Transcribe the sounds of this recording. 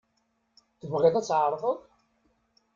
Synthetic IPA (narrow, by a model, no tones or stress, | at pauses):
θəvʁiðæt͡sːʕəɾˤðˤəð